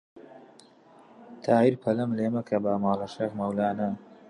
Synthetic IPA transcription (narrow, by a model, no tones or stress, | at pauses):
t̪ʰaːiɾpʰɐlɐmleːmɐkʰɐbaːmaːlɐʃɐxmɐwlaːnɐ